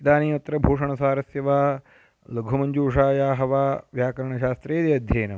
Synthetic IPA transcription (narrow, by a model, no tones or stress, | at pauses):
d̪aːniːɐt̪ːɾɐbʱoːʂɐɳɐsaːɾɐsjɐʋaː | lɐɡʱɐmɐɲd͡ʒuːʂaːjaːɦɐʋaːʋjaːkɐɾɐɳɐʃaːst̪ɾeːd̪iɐd̪ʱjɐːnɐm